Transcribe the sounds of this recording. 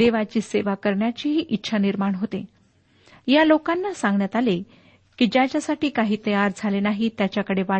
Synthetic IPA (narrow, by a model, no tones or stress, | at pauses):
eʋat͡ɕiːseʋakəɾɳjat͡ɕiɦiːʔitːɕʰaniɾmaɳɦot̪e | jalokanːasãŋɡɳjat̪ale | kid͡ʑat͡ɕjasaʈiːkaɦiːt̪əjaɾd͡zʱalenaɦit̪jat͡ɕjakəɽeʋa